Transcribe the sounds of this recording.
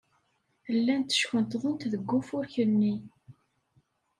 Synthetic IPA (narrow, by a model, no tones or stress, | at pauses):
əlːænt̪ə̥ʃçənt̪ʁˤʊnt̪ðəɡʷːʊfʊɾçənːi